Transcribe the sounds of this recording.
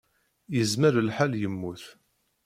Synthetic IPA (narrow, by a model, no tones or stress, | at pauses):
jəzməɾəlħaljəmːuθ